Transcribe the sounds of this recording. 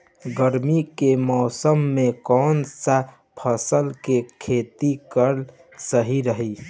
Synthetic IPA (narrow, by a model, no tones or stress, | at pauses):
ɡəɾmikemɔːsəmːekɔnsa | pʰəsəlkekʰet̪ikəɾ | səɦiɾəɦi